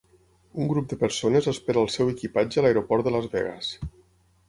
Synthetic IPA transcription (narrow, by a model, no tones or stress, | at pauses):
uŋɡɾup̚d̪əpəɾsonəzəspeɾaəlˠsɛwəkipad͡ʒəəlajɾopɔɾt̪d̪ələzβɛ̰ɣə̰s